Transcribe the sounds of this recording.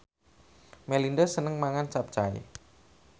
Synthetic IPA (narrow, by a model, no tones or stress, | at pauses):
melindəsənəŋmaŋant͡ʃap̚t͡ʃaɪ̰